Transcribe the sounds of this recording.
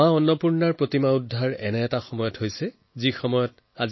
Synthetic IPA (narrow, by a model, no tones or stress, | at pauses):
ãɔnːɔpuɹnaɹpɹotimaudʱːaɹɛ̰nɛːtaxɔmɔjɔthojsɛ | zixɔmɔjɔt | az